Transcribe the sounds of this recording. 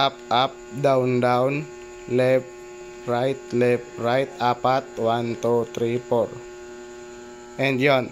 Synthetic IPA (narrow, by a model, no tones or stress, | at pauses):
ap̚ap̚daundaun | lɛp̚ | rait̪̚lɛp̚rait̪̚apat̪̚want̪ot̪ɾipɔr | ɛnd͡ʒɔn